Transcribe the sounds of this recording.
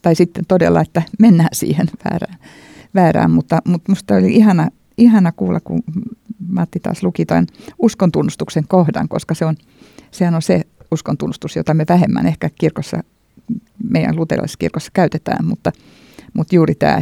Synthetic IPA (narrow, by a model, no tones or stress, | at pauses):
t̪ɑisit̪ːent̪odḛlːɑ̰et̪ːæmenːæːnsḭːhenʋæ̰ːræːn | ʋæːræ̰ːmmut̪ːɑmut̪must̪ɑolʲiihɑnɑ | ihɑnɑkuːlːɑkṵ | mɑt̪ːit̪ɑ̰ːslukit̪o̰nuskont̪unːust̪ukseŋkohdɑ̰ŋko̰skɑseon | sehænonseuskont̪unːust̪usjot̪ɑmeʋæhemːæ̰nehkækirkosːɑ̰ | meijæ̰lut̪ḛrlɑ̰sːɑkḭrkosːɑ̥kæyt̪et̪æ̰ːmmut̪ːɑ | mut̪juːrit̪æ̰ː